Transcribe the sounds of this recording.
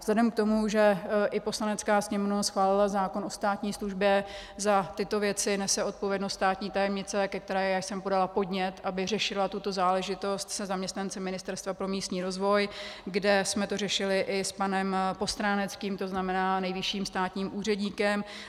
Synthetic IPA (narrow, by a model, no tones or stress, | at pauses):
vz̥lɛdɛmk̚t̪o̞muʒɛʔɪpo̞slanɛt͡skaːsɲɛmovnasxvaːlɪlazaːko̞nʔo̞st̪aːt̪ɲiːsluʒbjɛzat̪ɪt̪o̞vjɛt͡sɪnɛsɛʔo̞t̪̚po̞vjɛdno̞st̪st̪aːt̪ɲiːt̪ajɛmɲɪt͡sɛkɛk̚t̪ɛɾɛːjaːjsɛmpo̞dalapo̞dɲɛt̪ʔabɪrɛʃɪlat̪ut̪o̞zaːlɛʒɪt̪o̞st̪sɛzamɲɛst̪nant͡sɛmːɪnɪst̪ɛɾst̪vapɾo̞miːst̪ɲiːɾo̞zvo̞jɡdɛsmɛt̪o̞rɛʃɪlɪʔɪspanɛmpo̞st̪ɾaːnɛt͡skiːmt̪o̞znamɛnaːnɛjvɪʃiːmst̪aːt̪ɲiːmʔuːr̝ɛdɲiːkɛm